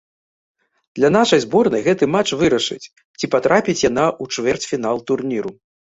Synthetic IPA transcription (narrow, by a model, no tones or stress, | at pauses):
d̪̥lʲɐn̪aʂɐjzbɔrnɐjɣɛt̪ɨmat͡ʂvɨɾɐʂɨ̰t͡sʲ | t͡sʲipat̪ɾapʲit͡sʲjanaʔut͡ʂvʲɛrt͡sʲfʲinalˠt̪urnʲiɾu